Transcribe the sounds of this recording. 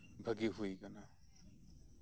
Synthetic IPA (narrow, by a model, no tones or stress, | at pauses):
bʱəɡiɦujkana